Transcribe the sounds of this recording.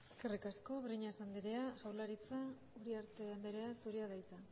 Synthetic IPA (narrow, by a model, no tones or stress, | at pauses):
eskerikasko̞βriɲasand̪eɾe̞aʝawlaɾit͡sa | uɾiaɾt̪e̞and̪eɾeasuɾiaðajt͡sa